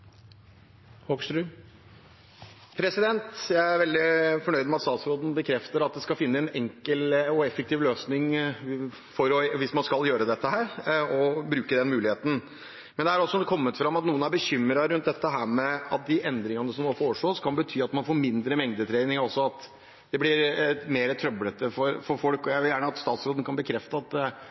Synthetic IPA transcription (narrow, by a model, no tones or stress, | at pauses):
hoksɾʉ | pʰɾɛsɪd̪ɛnt̪jæɪæɾʋɛld̪ɪfɔɳœʏd̪mɛɑt̪st̪ɑːt̪sɾoːd̪n̩bəkʰɾɛft̪əɾɑt̪̚d̪ɛskɑlfɪnːəɛnɛŋkəlɔɛfɛk̚t̪iːʋløːsnɪŋ | fɔɾɔʋɪsmɑnskɑljøːɾəd̪ɛt̪ːəɦæːɾɔbɾʉːkəd̪ɛnmʉːlɪheːt̪ən̩ | mɛnd̪ɛææɾɔsːɔkʰɔmːət̪fɾɑmɑt̪nuːənæɾbəçʏmːɾɑɾʉnt̪̚d̪ɛt̪ːəɦæːɾmɛɑt̪̚d̪ɪʔɛnd̪ɾɪŋənəsɔmnoːfoːʂɭoːskʰɑnbət̪ʰyːɑt̪mɑnfoːɾmɪnd̪ɾəmɛŋd̪ət̪ʰɾeɪnɪŋɾɔsːɔɑt̪ | d̪̥ɛblɪɾmeːɾət̪ʰɾœblət̪əfɔɾfɔɾfɔlkɔjæɪʋɪljæːɳəɑt̪st̪ɑːt̪sɾoːd̪ən̩kʰɑnbəkʰɾɛft̪əɑt̪